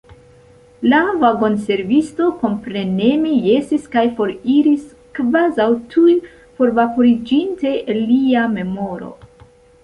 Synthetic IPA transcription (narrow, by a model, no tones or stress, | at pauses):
lavaɡo̞nse̞ɾvisto̞ko̞mpɾe̞ne̞meje̞siskajfo̞ɾiɾis | kvazawtʰuj | po̞ɾvapoɾid͡ʒinte̞liame̞mo̞ɾo̞̰